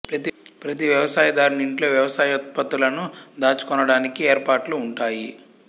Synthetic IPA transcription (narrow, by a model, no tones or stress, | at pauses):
pɾɐt̪ipɾɐt̪̬iʋjɐʋɐsaːjɐd̪aːɾuniɳʈlo̞ːʋjɐʋɐsaːjɐt̪̚pɐt̪ːulɐnud̪aːt͡ʃu̥kɔnɐɽaːnikieːɾpaːʈluːɳʈaːji